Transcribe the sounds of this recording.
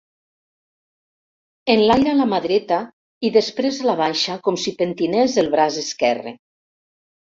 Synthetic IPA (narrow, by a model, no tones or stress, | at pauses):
enlajɾalamaðɾet̪a | iðespɾezalaβ̞anʃakomsipent̪inɛzðelˠβɾazeskɛrḛ